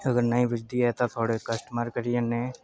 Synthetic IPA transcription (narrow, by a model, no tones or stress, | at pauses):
ɐɡəɾnɐɦĩbɪd͡ʒd̪ijat̪at̪ʰoːɽekɐsʈmaːɾkəɾijənẽ